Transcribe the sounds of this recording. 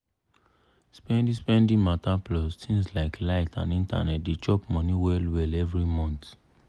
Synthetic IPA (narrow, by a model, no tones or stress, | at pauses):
spɛ̃ndĩspɛ̃ndĩmataplɔstʰĩŋslaɪklaɪtʰã̰nĩnta̰nɛt̚det͡ʃɔpmɔ̃nĩwɛlwɛlɛvɹimɔ̃nt